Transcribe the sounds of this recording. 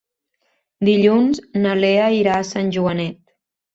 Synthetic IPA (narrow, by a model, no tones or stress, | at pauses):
d̪iʎunznəleəiɾaːsanʲʒuənɛt̪̚